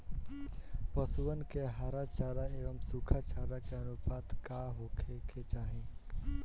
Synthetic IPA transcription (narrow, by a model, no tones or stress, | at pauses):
pəsuənkeɦaɾat͡ʃaːɾaeːʋəmsukʰat͡ʃaːɾakeənupaːt̪kaːɦoːkʰekʰet͡ʃaːɦĩ